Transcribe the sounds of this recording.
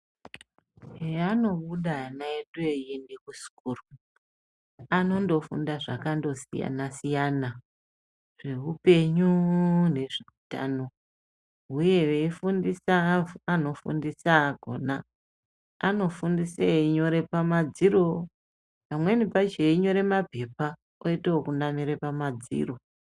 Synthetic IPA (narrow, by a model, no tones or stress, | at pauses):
eano̞ɓuɗanaeɗejindikusi̥kuːru | ano̞ndo̞fṵndaʐakando̞sḭja̰nasijana | ʐ̥e̞ɦupe̞ɲune̞ʐiuta̰no̞ | ɦuje̞ʋeifundisaːno̞fṵndisaɡʱo̞̰naː | no̞fundiseiɲo̞ɾe̞pamad͡ziɾo̞ | pamwe̞nipat͡ʃeiɲo̞ɾe̞mape̞pa | oitewokunamiɾepamad͡zḭro̞